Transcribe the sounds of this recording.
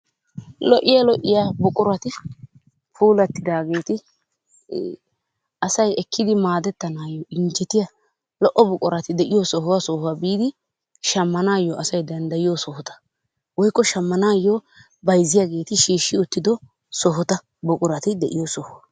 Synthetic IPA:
lɔʔɪjalɔʔːɪjaːbʊkʼʊɾɐt̪ɪ | fuːlɐt̪ːɪd̪aːɡe̞ːt̪ɪ | ɐsɐjɛkʰːɪd̪ɪmaːd̪ɛt̪ːɐnaːjoɪnd͡ʒɛt̪ɪjɐ | lɔʔːɔbʊkʼʊɾɐt̪ɪd̪ɛʔɪjosɔhwɐsɔhʊaːbiːd̪ɪ | ʃɐmːɐnaːjːɔʔɐsɐjd̪ɐnd̪ɐjɪjosɔhɔt̪ɐ̥ | wɔjkːɔʃɐmːɐnaːjːo | bɐjzːɪjaɡe̞ːt̪ɪʃiːʃːɪʊt̪ːɪd̪ɔ | sɔɦʊt̪ɐ | bʊkʼʊɾɐt̪ɪd̪ɛʔɪjosɔhʊwɐ

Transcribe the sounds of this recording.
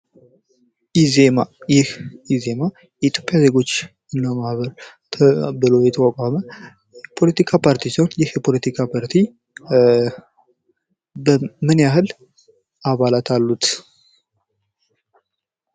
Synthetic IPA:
izemajɪhize̞ma | jɛit̪ʰjo̞pʼːjaze̞ɡo̞t͡ʃː | ɨnːamahβəɾ | t̪ʰəbɨlo̞jɛt̪ʰəkʼakʷʼamə | pʰo̞lət̪ʰikʰapʰaɾt̪ʰisihonjɪhjpʰo̞lət̪ʰikʰapʰaɾt̪ʰi | bəmɨnjahɨl | aβalat̪ʰalːut̪

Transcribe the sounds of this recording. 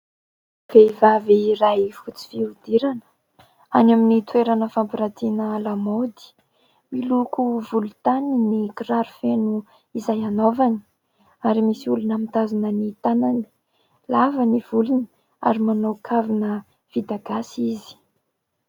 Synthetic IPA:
v̥eivavirajfut͡si̥fiud̪iɾanə̥ | anaminit̪ueɾanəfampiɾat̪inəlamod̪i̥ | milukuvulut̪aninikiraɾufenu | izajanovani̥ | aɾimisiulunamit̪azanənit̪anani̥ | lavənivuluni̥ | a̰ɾimanawkʰavinə | v̥id̪aɡasizi̥

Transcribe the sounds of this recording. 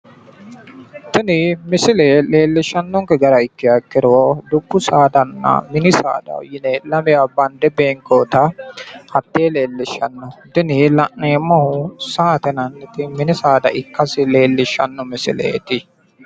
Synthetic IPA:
t̪ɪnɪmɪsɪleleːlːɪʃːɐnːɔŋkɛɡɐɾɐɪkːɪjɐkːɪɾod̪ʊbːʊsaːd̪ɐnːɐ̰mɪnɪsa̰ːd̪ɐ̰jɪnelɐmɛjabɐnd̪ɛbeːŋkoːt̪ɐhɐt̪ːeːleːlːɪʃɐnːɔt̪ɪnɪlɐʔneːmːɐhʊsaːt̪ɛnɐnːɪt̪ɪmɪnɪsaːd̪ɐʔɪkːɐsɪleːlːɪʃːɐnːɔmɪsɪ̰lḛːt̪ɪ

